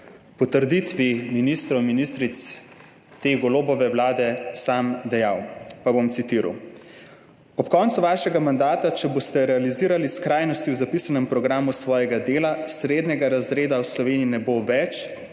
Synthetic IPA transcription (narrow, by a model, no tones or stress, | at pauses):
pɔt̪əɾd̪it̪ʋiminist̪ɾɔwminist̪ɾit̪s | t̪eːɡɔloːbɔʋɛwlaːd̪ɛsamd̪ɛjawpabomt̪sit̪iːɾa̰w | ɔpkɔːnt̪suʋaːʃɛɡamand̪aːt̪at͡ʃɛbost̪ɛɾɛaliziːɾaliskɾaːjnɔst̪iwzapisanɛmpɾɔɡɾaːmusʋɔːjɛɡad̪eːlasɾeːd̪nɛɡaɾazɾeːd̪awslɔʋeːniinɛboʋɛt͡ʃ